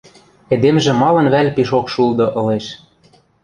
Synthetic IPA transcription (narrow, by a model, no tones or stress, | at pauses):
ed̪emʒĕmɑlɤ̆nβælʲpiʃokʃulˠd̪ɤ̆ʔɤ̆leʃ